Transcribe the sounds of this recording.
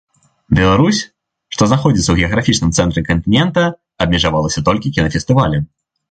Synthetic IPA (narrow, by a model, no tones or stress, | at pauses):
bʲɛlˠaɾusʲ | ʂt̪ɔznaxɔd͡zʲit̪sɐwɣʲɛɐɣɾafʲit͡ʂnɨmt̪sɛnt̪ɾɨkɐnt̪ɨnʲɛnt̪ɐ | ɐbmʲɛʐavalˠɐsʲɐt̪ɔlʲkʲikʲinɐfʲɛst̪ɨvalʲɛ